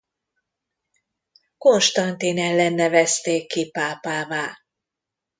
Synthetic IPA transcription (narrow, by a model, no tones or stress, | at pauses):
ko̞nʃt̪ɒnt̪eːnɛlːɛnːɛvɛst̪eːkːipaːpaːvaː